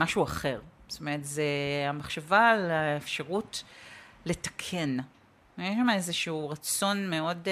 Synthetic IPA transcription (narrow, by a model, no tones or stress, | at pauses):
maʃuaχe̞ʁstomeʁetzeamaχʃavalaefʃaʁut | le̞tɐ̥kʰe̞n | jeʃamaezeʃuuːʁat͡so̞nme̞o̞d